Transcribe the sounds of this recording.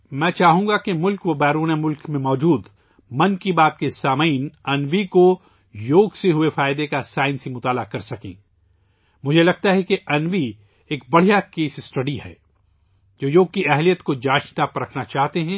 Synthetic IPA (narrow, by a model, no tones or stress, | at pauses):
mɛ̃ːt͡ʃaːɦũːŋɡakemʊlkʋobɛːɾuːnemʊlkmẽmɔːd͡ʒuːd̪ | mɐ̃nkibaːt̪̚kesaːmainɐnʋiko | joːɡseɦʊefaːɪd̪ekasaːɪnsimʊt̪aːlakɐɾsɐkḛ̃ː | mʊd͡ʒʱelɐɡ̚t̪aɦɛkeʔɐnʋi | eːk̚bɐɽ̤ijakeːsɪsʈɐɖihɛ̰ː | d͡ʒoːjoːɡ̚kiɛɦlijət̪kod͡ʒaːʃnapɾɐkʰnat͡ʃaːɦt̪eɦɛ̃ː